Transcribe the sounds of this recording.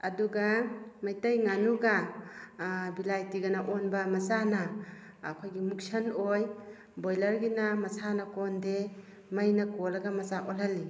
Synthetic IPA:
ɐduɡamajtɐjŋanuɡa | bilajtiɡanaʔɔnbamɐsana̰ː | kʰojɡimuk̚sɐnoj | bojlɐɾɡinamɐsanakɔnde | majnakolaɡamɐsaʔɔlhali

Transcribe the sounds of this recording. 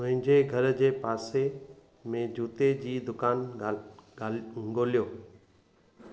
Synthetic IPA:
mʊ̃ɦɪ̃ɲd͡ʑeɡʱɐɾd͡ʑeːpaːse | mẽd͡ʑuːt̪ed͡ʑiːd̪ʊkaːn | ɡoːlijoː

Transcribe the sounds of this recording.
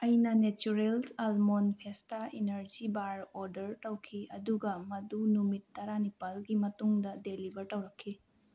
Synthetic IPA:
ɐjnɐnet͡ʃuɾelsalmonpʰestainɐɾd͡ʒibaɾoɾdɐɾtɐwkʰiɐduɡɐmɐdunumitːɐɾanipɐlɡimɐtuŋdɐdelibɐɾtɐwɾɐkʰːi

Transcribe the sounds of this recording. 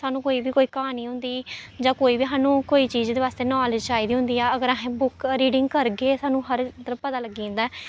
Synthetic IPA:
saːnũːkoːiːbiːkoːiːkəɦaːniːɦʊ̃nd̪iːd͡ʒãːkoːiːbiːsaːnũːkoːiːt͡ʃiːzd̪eːʋaːst̪eːnɔːlɪd͡ʒt͡ʃaːiːd̪iːɦʊ̃nd̪iːɛːəɡəɾaːɦẽːbʊkɾiːɖɪ̃ŋɡkəɾɡeːsaːnũːɦəɾt̪əɾpət̪aːləɡĩːnd̪aɛː

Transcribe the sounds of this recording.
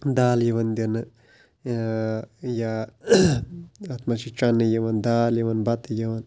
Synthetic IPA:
d̪aːljɐʋɐnd̪ɐnɨ | ja | ɐt̪mɐt͡ʃit͡ʃɐnːɨjɐʋɐnd̪aːljɐʋɐnbɐt̪ɨjɐʋɐn

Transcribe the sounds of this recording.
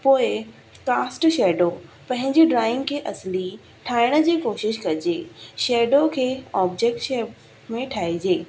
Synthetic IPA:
poːɪ | kaːsʈʃɛːɖopɐ̃ɦɪ̃ɲd͡ʑiɖɾaːɪ̃ŋɡkʰeːʔɐsli | ʈʰaːɪɽ̃ə̆d͡ʑiːkoːʃɪʃkɐd͡ʑeːʃeːɖokʰeːɔːbd͡ʑek̚ʈʃeːb | mẽʈʰaːid͡ʑeː

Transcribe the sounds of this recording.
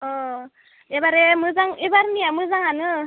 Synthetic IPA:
ɔ | ebaɾemɯzaŋebaɾniamɯzaŋanɯ

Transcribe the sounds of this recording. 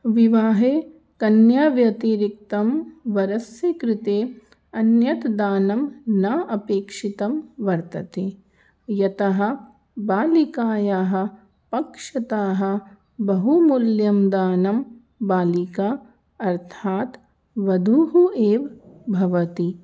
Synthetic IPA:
ʋiʋaːɦeː | kɐnjaːʋjɐt̪iɾik̚t̪ɐmʋɐɾɐsjɐkɾɪt̪eː | ɐnjɐt̪d̪aːnɐmnaːʔɐpeːkʂit̪ɐmʋɐɾt̪ɐt̪eː | jɐt̪ɐɦɐ̆ | baːlikaːjaːɦɐ̆ | pɐkʂɐt̪aːɦɐ̆ | bɐɦumuljɐmd̪aːnɐm | baːlikaː | ɐɾt̪ʰaːt̪ | ʋɐd̪ʱuɦuʔeːʋbʱɐʋɐt̪i

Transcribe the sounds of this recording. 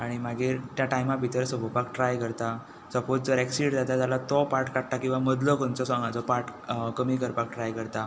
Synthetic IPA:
aɽ̃imaɡiːɾt̪jaʈajmabʱit̪əɾsəbʱəpakʈɾajkəɾt̪a | səpot͡sd͡zəɾɛksiɽd͡zat̪at̪alat̪ɔpaɾʈkaɽt̪akĩw̃ʋaməd̪lɔkont͡sɔsãŋɡat͡sɔpaɾʈkəmiːkəɾpak̚ʈɾajkəɾt̪a

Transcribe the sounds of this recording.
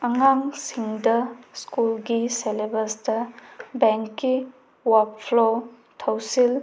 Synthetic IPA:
ɐŋaŋsiŋdɐskulɡiselebɐstɐbeŋkːi | wappʰlo | tʰɐwsil

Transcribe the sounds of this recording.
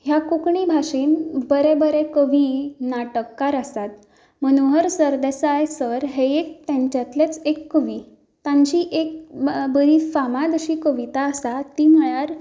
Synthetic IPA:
ɦjakukɳibʱaʂiːnbəɾebəɾekəʋinaʈəkːaɾəsat̪̚ | m̤əñuɦəɾsəɾd̪esajsəɾɦeek̚t̪ãɲt͡ɕat̪let͡sekːəʋi | t̪ãɲt͡ɕiːʔek̚bəɾifamad̪əɕikəʋit̪aəsat̪ːim̤əɭaɾ

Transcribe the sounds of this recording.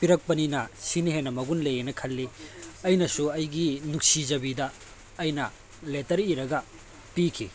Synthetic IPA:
piɾɐk̚pɐninɐsiniɦenɐmɐɡunlejenɐkʰɐlːiɐjnɐsuɐjɡinuk̚sid͡ʒɐbidɐː | jnɐ | letɐɾiɾɐɡɐ | pikʰḭ

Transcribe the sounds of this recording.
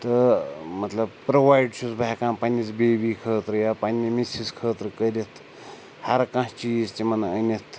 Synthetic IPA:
t̪ɐmɐt̪lɐbpɾoʋaːjɖt͡ʃʰusbaɦkãːnpɐnʲːit͡sbeːbiːkʰəːt̪ɾɨjapɐnʲːimisiskʰəːt̪ɾɨkəɾʲit̪ʰ | hɐɾkãht͡ʃiːzt̪imɐnɐənʲɐt̪ʰ

